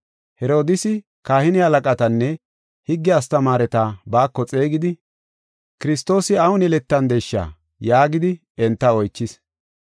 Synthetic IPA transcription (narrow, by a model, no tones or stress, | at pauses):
hɛɾo̞ːd̪ɪsɪ | kaːhɪnɪhɐlɐkʼɐt̪ɐnːɛ | hɪɡːɪɐst̪ɐmaːɾɛt̪aːbaːkːɔt͡sʼe̞ːɡɪd̪ɪ | kɪɾɪst̪o̞ːsɪɐwʊnɛlɛt̪ːɐnd̪ejʃːa̰ | jaːɡɪd̪ɪ | ɛnt̪ːɐɔjt͡ʃːɪs